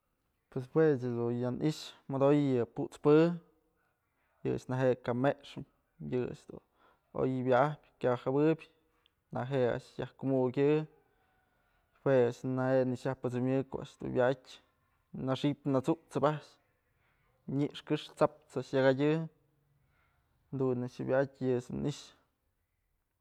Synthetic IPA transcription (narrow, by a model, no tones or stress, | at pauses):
pwes̬hwesad̪unjanʔiʃmad̪ojɨpuʔt͡spɨ | jɨa̰ʂnaɦeʔkameʔʂɨm | jɨa̰ʂd̪ṵn | o̰jbjaahpʲkʲahabɨbʲ | naɦea̰ʔʂjahkumukʲɨ | weaʔʂnaheʔnɨʂjahpɨt͡sɨmjɨko̰ʔa̰ʔʂd̪ṵbʲjaʔtʲ | naʂipnat͡sut͡sɨbaʔʂ | ɲiʔʂkɨʂt͡sap̚t͡saʔʂjaɡadʲɨ | nd̪unaʂɨbʲjaatʲjɨsumniʃ